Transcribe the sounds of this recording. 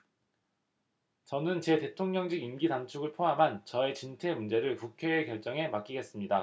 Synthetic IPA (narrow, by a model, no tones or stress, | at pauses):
t͡ɕʌnɯnt͡ɕe̞te̞tʰoŋɲʌŋd͡ʑiɡimɡidant͡ɕʰuɡɯɭpʰoɦamɦant͡ɕʌe̞t͡ɕintʰe̞mund͡ʑe̞ɾɯɭkukʰe̞ːkjʌɭt͡ɕ͈ʌŋe̞mak͈iɡe̞s͈ɯmɲida